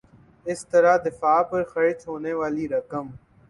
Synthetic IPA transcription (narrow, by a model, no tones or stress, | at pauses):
ɪst̪əɾaːd̪ɪfaːpəɾxəɾɪt͡ʃɦoːneːʋaːliːɾəkəm